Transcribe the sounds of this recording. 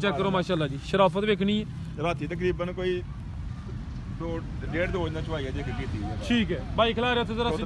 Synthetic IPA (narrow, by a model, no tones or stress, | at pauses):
t͡ʃɛkːəɾoːmaːʃaːlːaːd͡ʒiːʃəɾaːfət̪ʋeːkʰnĩːɛː | ɾaːt̪ʰːiːt̪ək̬ɾiːbənkoːiː | ɖoː | ɖeːʈt̪oɦoːd͡ʒnãːt͡ʃʰəʋaːiɛːd͡ʒeːkʰkiːt̪iːɛːʈʰiːkɛːbaːiːkʰəlaːɾeət̪ʰeːzəɾaː